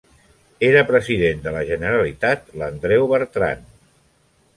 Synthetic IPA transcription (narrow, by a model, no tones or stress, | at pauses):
eɾəpɾəziðend̪ələʒənəɾalit̪at̪lənd̪ɾɛwβəɾt̪ɾa̰n